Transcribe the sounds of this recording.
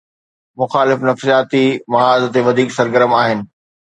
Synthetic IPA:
mʊxaːlɪfnɐfsijaːt̪imɐɦaːzt̪eʋɐd̪ʱiːksɐɾɡəɾəmaːɦɪnɪ̆

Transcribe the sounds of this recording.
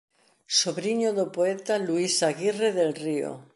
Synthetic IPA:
soβɾiɲoðopoet̪aluisaɣireðelrio̰

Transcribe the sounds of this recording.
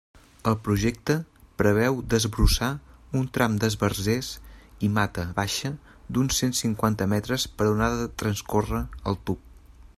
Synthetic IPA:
əlˠpɾuʒɛk̚t̪əpɾəβ̞ɛwd̪əzβɾusaunt̪ɾʔamd̪əzβərzesimat̪əβaʃə | d̪unsensiŋkwant̪əmɛt̪ɾəspəɾðunaðət̪ɾənskorəəlˠt̪up̚

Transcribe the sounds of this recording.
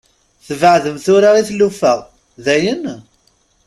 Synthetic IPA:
θvəʕðəmθʊɾaʁiθlːufəʁ | ðæjən

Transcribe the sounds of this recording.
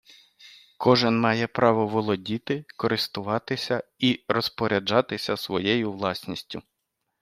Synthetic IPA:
kʰɔʒɪnmɑjɛpɾɑʋɔʋɔlˠɔdʲit̪ɪkɔɾɪst̪ʊʋɑt̪ɪsʲɐiɾɔspɔɾʲɐd͡ʒɑt̪ɪsʲɐsʋɔjɛjʊʋlˠɑsʲnʲisʲtʲʊ

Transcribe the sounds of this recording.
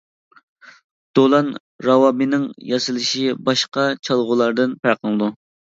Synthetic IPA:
d̪̥olˠɑn | ɾɑwɑmɨnɪŋjɑsɨlˠɨʃibɑʃqɑt͡ʃʰɑlˠʁʊlˠɑɾd̪ɨnpæqʰənɨd̪u

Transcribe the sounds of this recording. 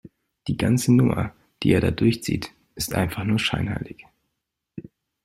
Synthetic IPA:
d̥iːɡant͡sənʊmɐ̰ | d̥iːʔeːɐda̰ːdʊɐçt͡sḭːt | ʔɪstʔa̰ɪnfaχnuːɐʃa̰ɪnha̰ɪlɪç

